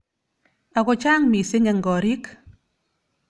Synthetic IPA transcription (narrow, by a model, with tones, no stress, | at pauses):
a˨ko˨t͡ʃaː˦ŋmi˨se˦ɲɛ˨ŋ˨ɡɔ˨ɾi˦k